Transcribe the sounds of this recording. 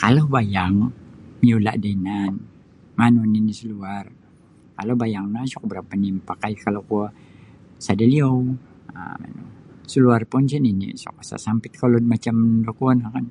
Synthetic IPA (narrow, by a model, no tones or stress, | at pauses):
kalobajaŋmiola̰ʔdainan | manoninisəluar | kalobajaŋnasɔk̚bəɾapanimpakaikalokua | sadaliow | a̰ma̰no̰səluarpɔnt͡ʃɛninḭsɔ̰k̚asa̰sampɪt̪̚kalodmat͡ʃamdokoanahkan